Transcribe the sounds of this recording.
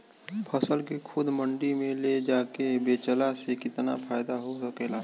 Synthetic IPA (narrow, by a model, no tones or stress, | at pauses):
pʰɐsəlkekʰʊd̪mə̃ɳɖimẽled͡ʒaːkebeːt͡ʃəlasekɪt̪na̰pʰaːjd̪aɦosɐkeːlaː